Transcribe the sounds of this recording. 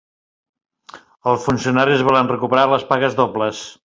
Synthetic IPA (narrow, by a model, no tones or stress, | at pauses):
əlˠsfunsiunaɾizβɔlənrəkupəɾaləspaɣəzðɔbləs